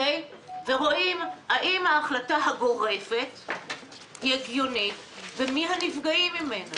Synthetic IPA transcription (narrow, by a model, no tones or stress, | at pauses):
ej | veʁo̞ʔimhaʔimhaːχlataɦaɡo̞ʁe̞fe̞t | hiaɡjonit | vemiɦanifɡaimime̞na